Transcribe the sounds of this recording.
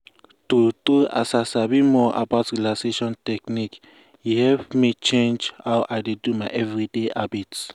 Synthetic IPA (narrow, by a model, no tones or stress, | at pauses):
tutoa̰sasabimɔʔa̰baʊtɹilaseʃɔ̃ntɛknik | juhɛvmit͡ʃẽnd͡ʒhawʔajdedumaɪʔɛvɹideʔabit